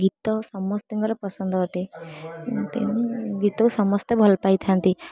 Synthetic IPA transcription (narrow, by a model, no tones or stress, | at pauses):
ɡit̪ɔsɔmɔst̪iŋkɔɾɔpɔsɔnd̪ʱɔɔʈe | t̪ḛnɡit̪ɔkusɔmɔst̪ebʱɔlpajt̪ʰant̪i